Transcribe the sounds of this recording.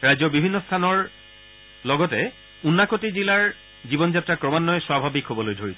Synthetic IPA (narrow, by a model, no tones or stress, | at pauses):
ɹajzɔɹbibʱinːɔstʰanɔɹ | lɔɡɔtɛ | unːakotizilaɹ | zibɔnzatɹakɹɔmanːɔjswabʱabikɦobɔlojdʱoɹit